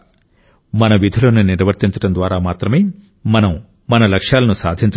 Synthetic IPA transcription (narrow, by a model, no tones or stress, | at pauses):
mɐnɐʋid̪ʱɐloːnuniɾʋɐɾt̪iɲt͡ʃɐ̥ʈɐnd̪ʋaːɾaːmaːt̪ɾɐme̞ː | mɐnɐm | mɐnɐlɐkʂaːlɐnusaːd̪ʱiɲt͡ʃ